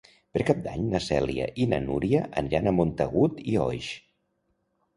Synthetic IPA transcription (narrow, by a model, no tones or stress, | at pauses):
pəɾkap̚d̪aɲnəsɛliə̰ʔinə̰nuɾiəʔəniɾanəmont̪əɣut̪iɔjʃ